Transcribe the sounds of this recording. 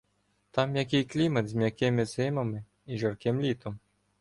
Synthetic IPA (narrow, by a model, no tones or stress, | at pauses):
t̪amjak̬ʲɪjklʲimɐd̪zʲmʲjakʲɪmɪzɪmɐmɪ | iʒarkɪmlʲit̪ɔm